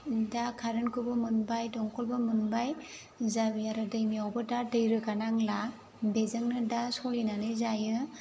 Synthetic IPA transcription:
dakʰaɾɯnkʰubɯmunbajdɔŋkʰɔlbɯmunbaj | zabiaɾɯdɯjmiawbɯdadɯjɾɯkanaŋla | bezɯŋnɯdasɔlinanɯzajɯ

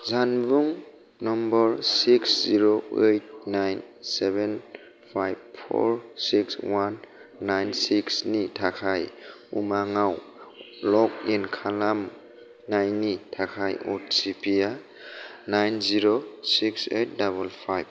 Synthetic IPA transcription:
zanbuŋ | nɔmbɔɹsiksziɾoejt̚najn | sɛβɛn | pʰajb̚pʰɔ̰ɹsikswanː | ajnsiksnitʰakʰaj | ṵmaŋaw | lɔk̚inkʰalam | najnitʰakʰajɔ̰tsipʰija | najnziɾosiksejt̚daβɔlpʰajb̚

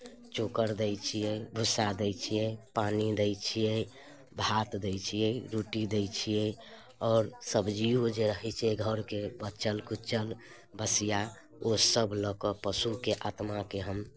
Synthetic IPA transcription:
t͡ʃokəɾd̪əjt͡ʃʰijɛjbʱusad̪ɛt͡ʃʰijɛpanid̪ɛjt͡ʃʰijɛ | bʱat̪d̪əjt͡ʃʰijɛɾuʈid̪ɛjt͡ʃʰijɛ | ɔːɾsəbʱd͡ʒiod͡ʒeɾəɦɛt͡ʃʰiɛɡʱəɾkebətːt͡ʃəlkut͡ʃəl | bəsija | osəbʱləkɔpəsukeʔat̪makeɦəm

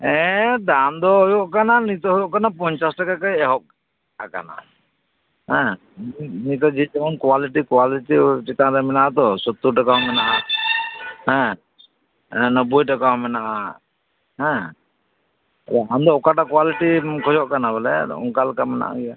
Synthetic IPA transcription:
ɛ̃d̪and̪ɔɦɔjɔʔkananit̪ɔɦɔjɔʔkanapɔɲt͡ʃasʈakakajɛɦɔʔ̚ | aka̰na̰ | ɦɛ̃ | ninit̪ɔd͡ʒid͡ʒɛmɔnkwaliʈikwaliʈit͡ʃit̪ãɾɛmɛnaʔat̪ɔsɔt̪ːuʈakaɦɔmɛnaʔa | hɛ̃ | ɛ̃nəbujʈakaɦɔmɛnaʔa | ɦɛ̃ | ɾaand̪ɔɔkaʈakwaliʈikʰɔjɔʔkanabɛlɛ̰ɔ̰ŋkalkamɛna̰ʔa̰ɡɛja

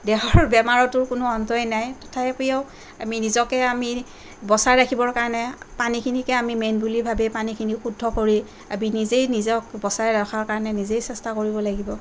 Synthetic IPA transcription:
dɛɦɔɹbɛmaɹɔtʊɹkʊnʊɔntɔjnajtɔ̥tʰajpijeʊ | aminizɔkɛami | bɔsaɹɹakʰibɔɹkaɹɔnɛpanikʰinikɛamimenbulibʱabɛpanikʰinixudʱːɔkoɹi | a̰minizejnizɔkbɔsaɹɛɹakʰaɹkaɹɔnɛnizejsɛstakoɹibɔlaɡibɔ

